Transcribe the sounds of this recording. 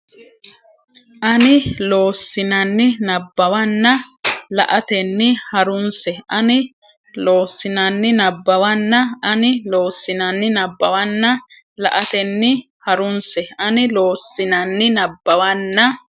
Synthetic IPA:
ʔɐnɪlo̞ːsːɪnɐnːɪnɐbːɐwɐnːɐlɐ̰ʔɐt̪ɛnːɪhɐɾʊnsɛɐnɪ | lo̞ːsːɪnɐnːɪnɐbːɐwɐnːɐɐnɪlo̞ːsːɪnɐnːɪnɐbːɐwɐnːɐ | lɐ̰ʔɐt̪ɛnːɪ | hɐɾʊnsɛɐnɪloːsːɪnɐnːɪnɐbːɐwɐnːɐ

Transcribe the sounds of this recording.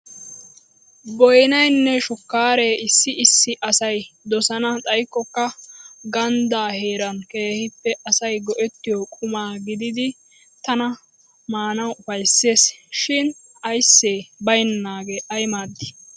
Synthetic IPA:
bɔjnɐjnːɛʃʊkːaːɾe̞ːɪsːɪɪsːɪʔɐsɐjd̪ɔsɐnɐt̪ʼɐjkːɔkːɐɡɐnd̪aːhe̞ːɾɐnke̞ːhɪpːɛʔɐsɐjɡɔʔɛt̪ːɪjɔkʼʊmaːɡɪd̪ɪd̪ɪ | t̪ɐnɐ | maːnɐwʊfɐjsːe̞ːsʃɪnɐjsːe̞ːbɐjnnaːɡeːʔɐjmaːd̪ːɪ̥

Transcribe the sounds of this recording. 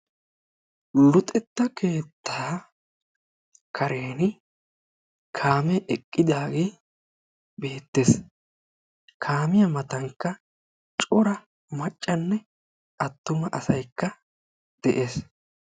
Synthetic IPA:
lʊt̪ʼɛt̪ːɐke̞ːt̪ːaː | kʰɐɾeːnɪ | kʰaːmɛʔɛkʼːɪd̪aːɡe | be̞ːt̪ːes | kʰaːmɪjɐmɐt̪ɐŋkːɐ | t͡ʃʼɔɾɐ | mɐt͡ʃʼːɐnːɛ | ɐt̪ːʊmɐʔɐsɐjkːɐ | d̪̥ɛʔeːs

